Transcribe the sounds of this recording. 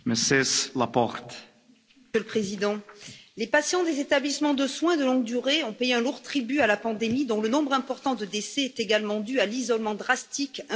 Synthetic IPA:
mɛsɛslapɔʁt̪ | ələpχezid̪ɑ̃lepasjɑ̃d̪ezet̪ablismɑ̃d̪əswɛ̃d̪əlɔ̃ɡ̚d̪yʁeɔ̃pejeɛ̃luʁt̪χibyalapɑ̃d̪emid̪ɔ̃lənɔ̃bʁɛ̃pɔʁt̪ɑ̃d̪əd̪esɛːt̪eɡalmɑ̃d̪yalizɔlmɑ̃d̪ʁast̪ikɛ̃

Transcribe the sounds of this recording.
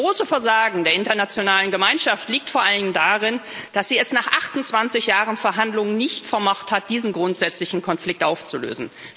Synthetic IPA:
ʁoːsəfɛɐzaːɡŋ̩deːɐɪntɐnat͡sjonaːlənɡəmaɪnʃaftliːk̚tfoːɐʔalənɪŋdaːʁɪnd̥asz̥iːɛsnaːχʔaχtʊnt͡sv̥ant͡sɪçjaːʁənfɛɐɦandlʊŋənnɪçtfɛɐmɔχthat̚d̥iːzn̩ɡʁʊntz̥ɛt͡slɪçn̩kʰɔnflɪk̚tʔaʊft͡sulø̰ːzn̩

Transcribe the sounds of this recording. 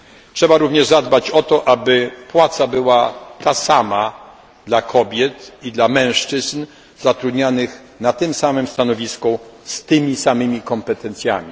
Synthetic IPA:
tʂɛbaɾuvɲɛʐzad̪bat͡ɕɔt̪ɔʔabɘpwat̪sabɘwat̪asama | d̪lakʰɔbʲjɛt̪id̪lamɛ̃w̃ʂt͡ʂɘzn | z̥at̪ɾud̪ɲanɘx | nat̪ɘmsamɘmst̪anɔvʲiskust̪ɘmʲisamɘmʲikɔmpɛt̪ɛnt̪sʲja̰mʲi

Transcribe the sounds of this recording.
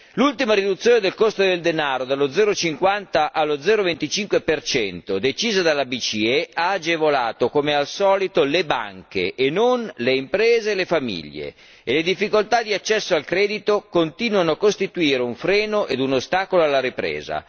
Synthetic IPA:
lult̪imaɾid̪ut̪sːjoːned̪elkost̪od̪eld̪enaːɾod̪alod̪zɛːɾot͡ʃiŋkwant̪aʔalːod̪zɛːɾovent̪it͡ʃiŋkwepert͡ʃɛnt̪od̪et͡ʃiːzad̪alːabit͡ʃiɛaːd͡ʒevola̰ːt̪okomealsɔːlit̪oleba̰ŋkḛʔeːnonleimpɾɛːzeːlefamḭʎːḛː | led̪ifːikolt̪ad̪iat͡ʃːɛsːoalkɾɛːd̪it̪okont̪iːnwanoakːost̪it̪uiːɾeuɱfɾɛːnoʔed̪unost̪aːkoloalːaɾipɾḛːza̰

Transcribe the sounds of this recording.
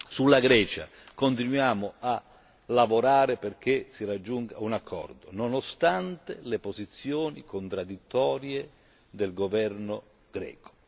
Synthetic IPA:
sulːaɡɾɛːt͡ʃa̰ | kont̪inwjaːmʊa | lavoɾaːɾeperk̟esirad͡ʒːuŋkaunakʰːɔ̰rd̪ononost̪ant̪elepozit̪sːjoːnḭkont̪ɾad̪it̪ːɔːɾje | d̪elɡovɛrno | ɡ̥ɾɛ̰ːko̥

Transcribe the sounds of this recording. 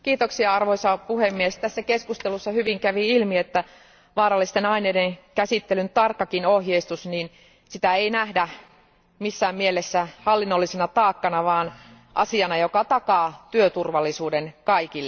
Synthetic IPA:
kiːt̪oksiɑɑrʋoisɑpuhemːiest̪æsːækeskust̪elusːɑhyʋiŋkæʋiilmiet̪ːæ | ʋɑːɾɑlːist̪enɑineːdeŋkæsit̪ːelynt̪ɑrkːɑkinohjeist̪usniːn | sit̪æeinæhdæ | misːæːmmielesːæhɑlːinːolːisenɑt̪ɑːkːɑnɑʋɑːn | ʔɑ̰siɑnɑjokɑt̪ɑkɑːt̪yøt̪urʋɑlːisuːdenkɑikilːe

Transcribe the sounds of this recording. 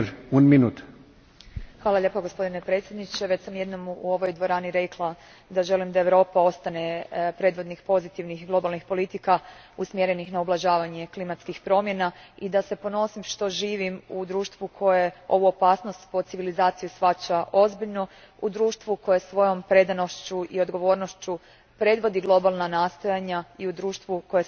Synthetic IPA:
unminuːt̪ | xʋaːlˠaʎe̞ːpoɡospo̞d̪ine̞pɾe̞t̪sʲje̞d̪nit͡ɕe̞ʋe̞t͡ɕsamje̞d̪nomuo̞ʋo̞jd̪ʋo̞ɾaːniɾe̞klˠa | d̪aʒe̞limd̪aeʋɾo̞ːpao̞st̪ane̞pɾe̞d̪ʋo̞d̪nixpo̞zit̪iʋnixɡlˠo̞balˠnixpo̞lit̪ikausmjeɾe̞nixnaublˠaʒaːʋaɲe̞klimat̪skixpɾo̞mje̞naid̪ase̞po̞no̞simʃt̪o̞ʒiːʋimud̪ɾuːʃt̪ʋukʰo̞jeo̞ʋuo̞paːsno̞st̪po̞t̪siʋilizaːt̪sijusxat͡ɕaʔo̞zbiʎno̞ | ud̪ɾuːʃt̪ʋuko̞jesʋo̞jo̞mpɾe̞d̪ano̞ʃt͡ɕuʔio̞d̪ɡo̞ʋo̞ːɾnoʃt͡ɕu | pɾe̞d̪ʋo̞d̪iɡlˠo̞balˠnanaːst̪o̞jaɲaiud̪ɾuːʃt̪ʋuko̞je

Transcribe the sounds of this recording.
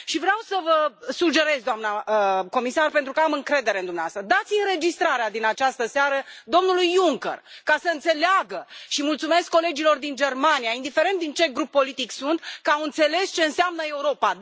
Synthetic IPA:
ʃivɾeawsəvəsud͡ʒe̞ɾe̞zd̪oamnaəko̞misarpent̪ɾukəamɨŋkɾe̞d̪e̞ɾe̞ɨnd̪umneaast̪ɾəd̪at̪sʲɨnɾe̞d͡ʒist̪ɾaɾead̪inat͡ʃast̪əseaɾəd̪o̞mnulujuŋkə̰rkasəɨnt̪se̞leaɡəʃimult̪sume̞skːo̞le̞d͡ʒilo̞rd̪ind͡ʒe̞rmanijaind̪ife̞ɾe̞nt̪d̪int͡ʃe̞ɡɾupːo̞lit̪iksunt̪kəawɨnt̪se̞le̞st͡ʃe̞ɨnseamnəe̞uɾo̞pa

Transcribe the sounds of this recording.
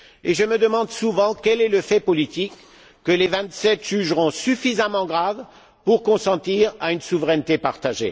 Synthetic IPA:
eʒəməd̪əmɑ̃d̪suvɑ̃kɛlɛləfɛpɔlit̪ikː | əlevɛ̃t̪sɛt̪ʒ̥yʒʁɔ̃syfizamɑ̃ɡʁav | puʁkɔ̃sɑ̃t̪iʁaynsuvʁɛnt̪epaʁt̪aʒḛ

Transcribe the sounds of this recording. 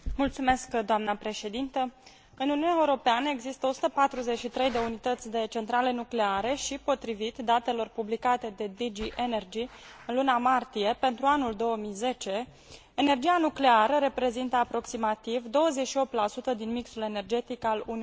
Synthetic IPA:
mult̪sume̞skd̪oamnəpɾe̞ʃe̞d̪int̪ə | ɨnuniunʲaeuɾo̞peanəe̞ɡzist̪əosu̥t̪əpat̪ɾuze̞t͡ʃʃit̪ɾe̞jd̪e̞unit̪ət̪sʲd̪e̞t͡ʃe̞nt̪ɾale̞nukle̞aɾe̞ʃipo̞t̪ɾivit̪d̪at̪e̞lo̞rpublikat̪e̞d̪e̞d̪id͡ʒiʔene̞rd͡ʒiɨnlunamart̪ije̞pe̞nt̪ɾuanuld̪o̞wəmijze̞t͡ʃe̞ | ene̞rd͡ʒianukle̞aɾəɾe̞pɾe̞zint̪əapɾo̞ksimat̪ivd̪o̞wəzet͡ʃʃio̞p̚t̪lasut̪əd̪inmiksule̞ne̞rd͡ʒe̞t̪ikaluni

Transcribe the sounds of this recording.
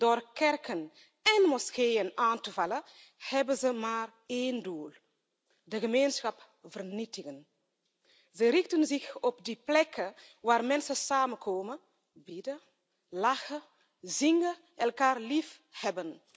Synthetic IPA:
doːrkɛrkən | ɛnmɔskeːjənaːntəvalə | hɛbənzəmaːr | eːnduːl | dəɣəmeːnsxɐp | vərnitɪɣən | zəɾɪxtənzɪxɔp̚diplɛkʰə | ʋaːɾmɛnsəsaːməkʰoːmə | bidə | laxə | ziŋɡə | ʔɛlkaːrliːf | hɛbən

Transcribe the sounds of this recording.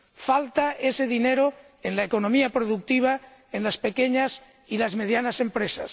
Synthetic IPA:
falt̪aeseðineɾo | enlaekonomiapɾoðuk̚t̪iβ̞a | enlaspe̞keɲas | ilazme̞ð̞janase̞mpɾesa̰s

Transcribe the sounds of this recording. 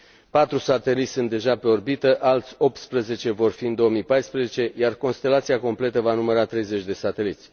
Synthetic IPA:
pat̪ɾusat̪e̞lit̪ʲsɨnt̪d̪e̞ʒapɾeorbit̪əʔalt̪sʲo̞p̚t̪spɾəze̞t͡ʃe̞vo̞rfiɨnd̪o̞əmipajspɾəzet͡ʃe̞jarko̞nst̪e̞lat̪siako̞mple̞t̪əvanuməɾat̪ɾe̞jze̞t͡ʃʲd̪e̞sat̪e̞lit̪sʲ

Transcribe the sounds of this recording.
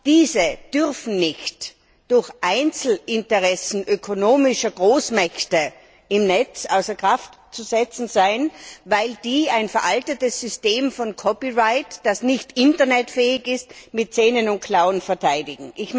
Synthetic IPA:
d̥iːzəd̥ʏʁfn̩nɪçt | d̥ʊɐçʔaɪnt͡sl̩ʔɪntəʁɛsn̩ʔøkʰonoːmɪʃɐɡ̥ʁoːsmɛçtə | ɪmnɛt͡sʔa̰ʊsɐkʁ̥aftt͡suzɛt͡sn̩zaɪnvaɪld̥iːaɪnfɛɐʔaltətəsːʏsteːmfɔnkʰɔpiʁaɪtd̥asnɪçtɪntɐnɛtfɛːɪçɪstmɪt̚t͡sɛːnənʊnt̚kʰl̥aʊənfɛɐtʰaɪdɪɡŋ̩ʔɪç

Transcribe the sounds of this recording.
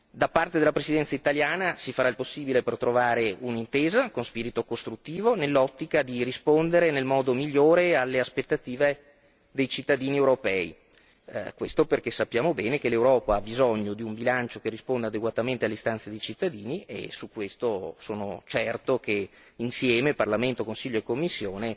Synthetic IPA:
d̪apart̪ed̪elapɾesid̪ɛnt̪sait̪aljaːnasifaɾailposːiːbilepert̪ɾovaːɾeunint̪eːzakonspiːɾit̪okost̪ɾut̪ːiːvonelːɔt̪ːikad̪irispond̪eɾenelmɔːd̪omiʎːoːɾealːeaspet̪ːat̪iːve | d̪ejt͡ʃit̪ːad̪iːniewɾopɛːḭ | kwest̪operkesːapːjaːmobɛːnekelewɾɔːpaabizɔɲːod̪iumbilant͡ʃokerːispond̪ead̪eɡwat̪ament̪ealːeist̪ansed̪ejt͡ʃit̪ːad̪iːniḛsukːwest̪osoːno̰t͡ʃɛrt̪ok̟e | insjɛːmeparlament̪okonsiʎːoekːomːisːjoːne

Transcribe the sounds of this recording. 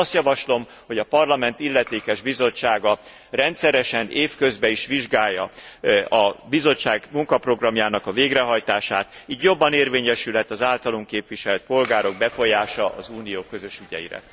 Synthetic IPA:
ɒst̪jɒvɒʃlo̞m | ho̞ɟɒpɒrlɒmɛnt̪ilːɛt̪eːkɛʒbizo̞t͡ʃːaːɡɒ | rɛnt̪sɛɾɛʃɛneːfkø̞zbɛiʃʋiʒɡaːjːɒ̰ | ɒbizo̞t͡ʃːaːɡmuŋkɒpro̞ɡrɒmjaːnɒkɒveːɡɾɛɦɒjt̪aːʃaːt̪iːɟjobːɒneːrveːɲɛʃylɦɛt̪ːɒzaːlt̪ɒloŋkeːpʋiʃɛlɛt̪̚po̞lɡaːɾo̞ɡ̚bɛfo̞jaːʃɒʔɒzuːnijoːkø̞zø̞ʃyɟɛ̰ḭɾɛ̰

